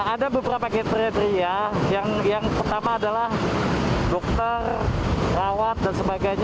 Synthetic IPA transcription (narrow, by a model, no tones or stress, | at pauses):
adabəbəɾapaket̪ɾiat̪ɾiajaŋjaŋpərt̪amaːdalah | dɔk̚t̪ərrawat̪̚dansəbaɡajɲa